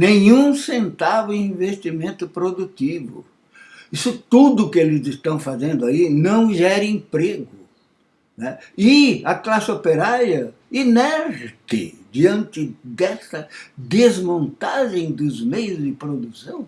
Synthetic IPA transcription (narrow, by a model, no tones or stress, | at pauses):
nẽɲũsẽnt̪avʊẽĩvest̪imẽnt̪ʊpɾod̪ut̪ivʊ̰ | isʊt̪ud̪ʊkelɪzɪst̪ɐ̃w̃fazẽnd̪ʊainɐ̃w̃ʒɛɾɪẽpɾeɡʊ | nɛɪɐklasɪopeɾaɾjɐ | inɛɾɾt̪ɪ̰d͡ʒ̪iɐ̃nt̪ɪd̪ɛsɐd̪ezmõnt̪aʒẽj̃d̪ʊzmejʊzd̪ɪpɾod̪usɐ̃w̃